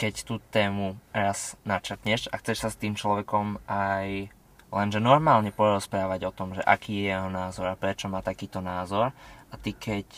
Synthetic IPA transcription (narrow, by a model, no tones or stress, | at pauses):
kɛct̪uːt̪ɛːmuɾaz̥nat͡ʃəɾt̪ɲɛʃa̰xt͡sɛʃsast̪iːmt͡ʃlɔʋɛkɔmaj | lɛnʒɛnɔɾmaːlɲɛpɔɾɔspɾaːʋaɟɔt̪ɔmʒɛʔa̰kiːjɛjɛɦɔnaːzɔɾapɾɛt͡ʃɔmaːt̪akiːt̪ɔnaːzɔɾat̪ikʰɛc